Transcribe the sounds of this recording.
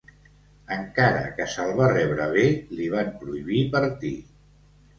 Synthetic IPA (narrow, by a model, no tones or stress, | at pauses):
əŋkaɾə̰kəsəlˠβarɛβɾəβ̞eliβ̞ampɾuiβipəɾt̪i